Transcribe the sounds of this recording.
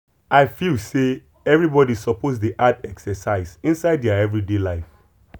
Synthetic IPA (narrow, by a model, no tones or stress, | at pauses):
aɪfilse | ɛvɹibɔdisɔpozdiʔatɛksɛsaɪsĩnsaɪddaɛvɹidelaɪf